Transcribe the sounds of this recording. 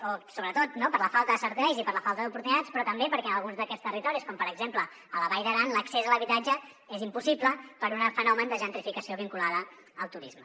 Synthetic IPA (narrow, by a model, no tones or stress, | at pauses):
osoβɾət̪ot̪̚nopəɾləfalˠt̪əðəsəɾt̪ɛjzipəɾləfalˠt̪əðupuɾt̪unit̪at͡spɾɔt̪əmbepəɾkɛənəlˠɣunzðəkɛst̪ərit̪ɔɾiskɔmpəɾəɡzemplə | ələβajðəɾanləksezələβit̪ad͡ʒə | ezimpusipləpəɾunəfənɔmənd̪əʒənt̪ɾifikəsioβiŋkulaðəː | lˠt̪uɾizmə